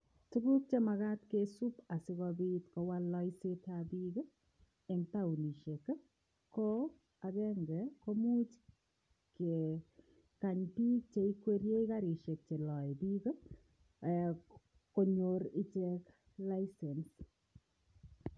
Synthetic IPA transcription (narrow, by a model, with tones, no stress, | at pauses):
tuɡu˦k̚t͡ʃe˦ma˨ɣa˦tkesu˦pa˨sɪ˦ɣɔbitkɔwalːɔ˦isetʰabiɡə˦ | ɛ˨ŋta˦u˨ni˨ʃe˨kə˦ | kɔ | a˨kɛ˦ŋɡɛko˦mu˦t͡ʃ | ke | kaɲpiː˦k̚t͡ʃe˦i˦kwe˦ɾje˦i˦kaɾi˨ʃe˨k̚t͡ʃe˨lɔ˨biɡə˦ | koɲoɾi˦t͡ʃɛk | lajsɛns